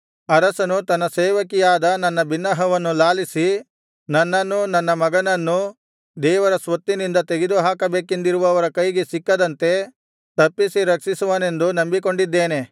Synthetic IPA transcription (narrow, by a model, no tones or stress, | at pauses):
ɐɾɐsɐnut̪ɐnːɐseːʋɐkijaːd̪ɐnɐnːɐbinːɐɦɐʋɐnːulaːlisi | nɐnːɐnːunɐnːɐmɐɡɐnɐnːu | d̪ɛːʋɐɾɐsʋɐt̪ːinind̪ɐt̪e̞ɡed̪uɦaːkɐbeːkend̪iɾuʋɐːʋɐɾɐkɐjɡesikːɐd̪ɐnt̪e̞ | t̪ɐpːisiɾɐkʂisuʋɐne̞nd̪unɐmbiko̞ɳɖid̪ːeːne̞